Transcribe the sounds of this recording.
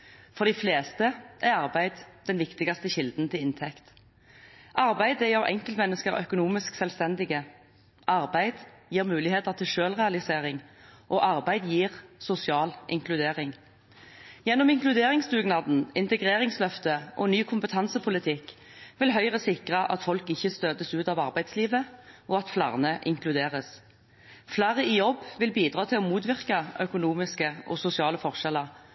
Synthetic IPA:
fɔʁd̪ɪfleːst̪əʔæʁɑʁbæɪd̪d̥̪ɛnʋɪkt̪ɪɡɑst̪əçɪld̪n̩t̪ʰɪlɪnt̪ʰɛkt̪ | ʔɑʁbæɪd̪əjəʁʔɛ̰ŋkəlt̪mɛnːəskəʁœ̰kʊnuːmɪsksɛlst̪ɛnd̪ɪɡə | ʔɑʁbæɪd̪jiːʁmʉːlɪheːt̪əʁt̪ʰɪlʃøːlʁɛɑlɪseːʁɪŋʔoːʔɑʁbæɪd̪jiːʁsʊsɪɑːlʔɪ̰ŋklʉd̪eːʁɪŋ | jɛnːɔmɪŋklʉd̪eːʁɪŋsd̪ʉːɡnɑd̪n̩ɪnt̪əɡʁeːʁɪŋslœft̪əʔɔnyːkʰʊmpət̪ʰɑnsəpʰʊlɪt̪ʰɪkː | ʋɪlɦœʏʁəsɪkʁəʔɑ̰t̪fɔlkɪçːəst̪øːd̪əsʉːt̪ɑʋɑʁbæɪd̪sliːʋəʔɔɑt̪flæ̰ːʁnəʔɪŋklʉd̪eːʁəs | flæːʁəɪjɔbːʋɪlbiːd̪ʁɑːt̪ʰɪlɔmuːt̪ʋɪʁkɑœkʊnuːmɪskəʔɔ̰sʊsɪɑːləfɔʁʃɛləʁ

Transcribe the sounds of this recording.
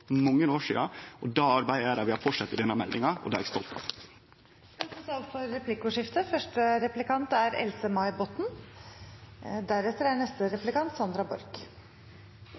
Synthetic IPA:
mɔŋːənoːʂḭːɑɔd̪ɑːɑɾbæɪəɾɑʋɪhɑɾfɔʈʂɑt̪ːɪd̪ɛnːɑmɛld̪ɪŋɑɔ̰d̪ɑːɛst̪ɔlt̪ʰɑ̰ʋ | ɛt̪ɔsɑlfɔɾːɛplɪkʊʂɪft̪əfœʂʈəɾɛplɪkɑnt̪æɾɛ̰lsəmɑɪbɔt̪ːn̩ | d̪æɾɛt̪ːəɾænɛst̪əɾɛplɪkɑnt̪sɑnd̪ɾɑbɔɾk

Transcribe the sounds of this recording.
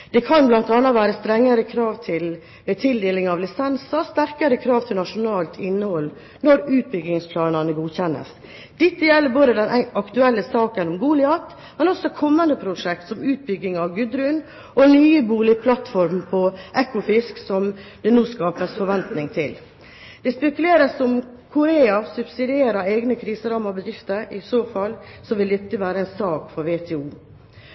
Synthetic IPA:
d̪̥ɛkʰɑnblɑnt̪ɑnːɑʋæːɾəst̪ɾɛŋːəɾəkʰɾɑːʋt̪ʰɪl | meːt̪ʰɪld̪eːlɪŋɑʋlɪsɛnsɑst̪æɾkəɾəkʰɾɑːʋt̪ʰɪlnɑʂʊnɑːlt̪ʰɪnːəhɔl | nɔɾʉːt̪̚bʏɡɪŋspʰlɑːnɑnəɡuːçɛnːə̰s | d̪̥ɪt̪ːəjɛlːəɾboːd̪əd̪ɛnæɑkt̪ʉɛlːəsɑːkənɔmɡuːlɪɑt̪ | mɛnɔsɔkʰɔmːənd̪əpʰɾʊʂɛk̚t̪sɔmʉːt̪̚bʏɡːɪŋɑʋɡʉd̪ɾʉːn | ʔɔnyːəbuːlɪpʰlɑt̪fɔɾmpʰɔʔɛkːʊfɪsksɔmd̪̥ɛnuːskɑːpəsfɔɾʋɛnt̪nɪŋt̪ʰɪl | d̪̥ɛspɛkʉleːɾəsɔm | kʰʊɾeːɑsʉbsɪd̪ɪeːɾəɾeːɡnəkʰɾiːsəɾɑːmɑbəd̪ɾɪft̪əɾɪsoːfɑlsɔʋɪld̪ɪt̪ːəʋæːɾəɛɪnsɑːkfɔɾʋeːt̪ʰɛːuː

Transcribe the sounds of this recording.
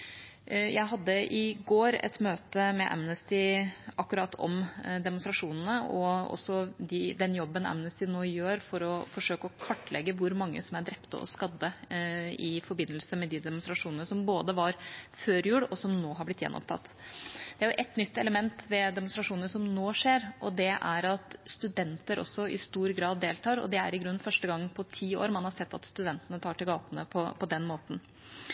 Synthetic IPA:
jʔæɪɦɑd̪ːəʔɪɡoːɾɛ̰t̪møːt̪əmɛʔæ̰mnəst̪ɪʔɑkːʉɾɑt̪ːʰɔ̰md̪ɛmʊnst̪ɾɑʂuːnn̩əɔ̰ɔ̰sːɔd̪ɪd̪ɛnjɔbːənæ̰mnəst̪ɪnoːjøːɾfɔɾɔfɔʂøːkəɔkʰɑʈːlɛɡːəʋʊɾmɑŋːə̰sɔmæɖɾɛpt̪ə̰ʔɔ̰skɑd̪ːə | ɪfɔɾbɪnːəlsəmɛd̪id̪ɛmʊnst̪ɾɑʂuːnənəsɔmboːd̪əʋɑɾføːɾjʉːɽɔsɔmnoːɦɑɾblɪt̪jɛ̰nːɔ̰pt̪ʰɑ̰t̪ːd̪ɛæɾjʊʔɛt̪nʏt̪ːɛləmɛnt̪ʋɛd̪ɛmʊnsɾɑʂuːnəʂɔmnoːʂeːɾʔɔd̪ɛʔæ̰ɾɑt̪st̪ʉd̪ɛnt̪əɾʔɔ̰sːɔɪ̰st̪uːɾɡɾɑːd̪ːeːlt̪ʰɑːɾɔ̰d̪ɛæ̰ɾɪɡɾʉnːfœʂʈəɡɑŋːpʰɔt̪ʰiːo̰ːɾmɑnhɑɾsɛt̪ːɑ̰t̪st̪ʉd̪ɛnt̪ənət̪ʰɑːʈɪlɡɑːt̪ənə̰pʰɔpʰɔd̪ɛnmoːt̪n̩

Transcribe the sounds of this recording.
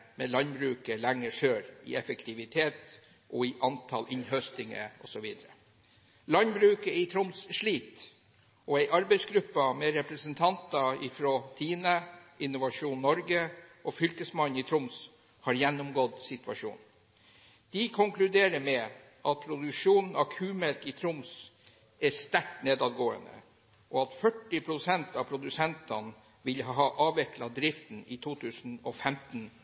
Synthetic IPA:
mɛlɑnbɾʉːkəlæŋːəʂøːɾɪ̰ɛfəkt̪ʰɪʋɪt̪ʰeːt̪ | ʔɔɪʔɑnt̪ʰɑ̰lʔɪnhœst̪ɪŋə̰ɔ̰sɔʋiːd̪ɾə | lɑnbɾʉːkəɪt̪ʰɾʊmsʂɭiːt̪ | ɔæɪʔɑɾbæɪsɡɾʉpːəmɛɾɛpɾəsənt̪ʰɑnt̪ɑɪfɾɔt̪ʰiːnəɪnʊʋɑʂuːnːɔɾɡəʔɔfʏlkəsmɑnɪt̪ʰɾʊms | hɑɾjɛnːʊmɡɔd̪sɪt̪ʉʋɑ̰ʂṵːn | d̪̥ɪkʰʊŋklʉd̪eːɾəmɛ | ʔɑt̪̚pʰɾʊd̪ʉkʂuːnn̩ɑkʰʉːmɛlkɪt̪ʰɾʊms | æst̪æʈneːd̪ɑd̪ɡoːə̰nd̪ə̰ | ʔɔɑt̪fœʈːɪpʰɾʊsɛnt̪ɑpʰɾʊd̪ʉsɛnt̪ɑ̰n | ʋɪlɦɦɑːʔɑːʋɛklɑd̪ɾɪft̪n̩ɪt̪ʰuːt̪ʰʉːsn̩ɔfɛmt̪n̩

